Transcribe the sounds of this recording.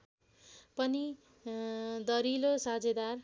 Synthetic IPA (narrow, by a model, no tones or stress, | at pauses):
pʌni | d̪ʌɾilosad͡zed̪ar